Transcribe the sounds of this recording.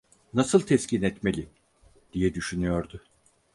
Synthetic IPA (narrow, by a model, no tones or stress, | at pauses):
nasɯlˠt̪ʰɛscinɛt̪melʲi | d̪̥ijɛd̪yʃynyjo̞ɾd̪ʊ